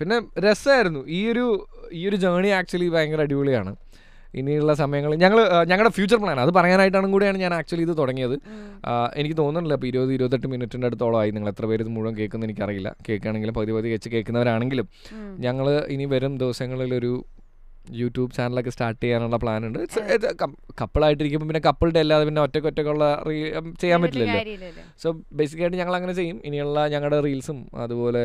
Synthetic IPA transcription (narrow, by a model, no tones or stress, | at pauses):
pinːe̞ɾe̞saːjiɾunːuiːo̞ɾu | iːo̞ɾud͡ʑɐːɳiaːk̚t͡ɕuɐlipajɐŋɡɐlɐɽiʋuɭijaːɳɨ | ḭniuɭːɐs̬ɐmɐjɐŋːɐɭɲɐŋːɐɭɲɐŋːɐɽefjuːt͡ɕːɐrpɭaːnɐðɨpɐrɐjaːnaːjiʈ̬ːaːɳnkuːɽijaːɳɨɲaːnaːk̚t͡ɕuɐliðɨt̪oɽɐŋːijɐðɨ | e̞nikʲːɨt̪o̞ːnːuɳɖilːɐp̬ːoiɾubɐðiɾubɐt̪ːeʈːɨminutːindeɽut̪ːoːɭɐʋaːjiniŋːɐɭet̪rɐpe̞ːɾeðmuːuʋɐmke̞ːɭkːunːenikʲːɐrijilːɐ̰ke̞ːkːaːɳe̞ŋɡilumpɐɣɐðipɐɣðiket͡ɕːɨkeːɭkːunːɐʋɐɾaːɳe̞ŋɡilum | ɲɐŋːɐɭiniʋɐɾumd̪eʋɐsɐŋːɐɭilo̞ɾu | juːtːjuːbt͡ɕaːnɐlo̞kːesʈaːrʈːejaːnuɭːɐpɭaːnuɳɖɨɐkɐpːɨɭaːjiʈːiɾik̬ʲːumpoːpinːe̞kɐpːɨɭʈeɐlːaɐðepinːeotːekːotːokːɐuɭːɐrit͡ɕe̞jːaːmbeitːilːɐlːo | soːbe̞js̬ikʲːaːjʈːɨɲɐŋːɐɭɐŋːɐne̞t͡ɕe̞jːuminijuɭːɐɲɐŋːɐɭɽeriːlsumɐ̰ðupo̞ːle̞